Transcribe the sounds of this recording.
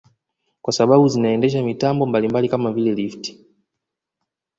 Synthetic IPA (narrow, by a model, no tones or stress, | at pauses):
kwasaɓaɓuzinaɛndɛʃ̬amitambɔmbalimbalikamavilɛlifti̥